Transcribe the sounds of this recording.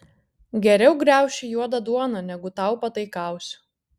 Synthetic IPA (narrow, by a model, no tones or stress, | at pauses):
ɡʲɛɾʲɛʊɡɾʲæˑʊʃʲɪjuɔd̪ɐd̪uɔnɐnʲɛɡʊt̪ɐˑʊpɐt̪ɐɪkɑˑʊsʲʊ̥